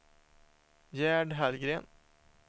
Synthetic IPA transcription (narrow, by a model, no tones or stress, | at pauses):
jæːɖɦælɡɾeːn